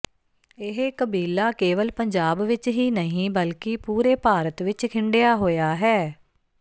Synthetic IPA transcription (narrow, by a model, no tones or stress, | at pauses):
ɪɦkəbiːlːaːkeːʋəlpəɲd͡ʒaːbʋɪt͡ʃɦiːnəɦĩːbəlkɪpuːɾeːpaːɾət̪ʋɪt͡ʃkʰɪ̃ɳɖejaːɦoːjaːɦɛː